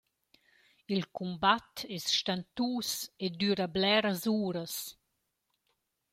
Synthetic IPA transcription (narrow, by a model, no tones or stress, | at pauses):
ilkumbat̪ɛsʃt̪ant̪uːsed̪yɾablɛɾəzuːɾəs